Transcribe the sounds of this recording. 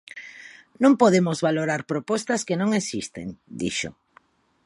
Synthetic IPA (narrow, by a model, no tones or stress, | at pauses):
nõmpoðemozβaloɾaɾpɾopɔst̪askenõŋesist̪ḛnd̪ḭʃo̰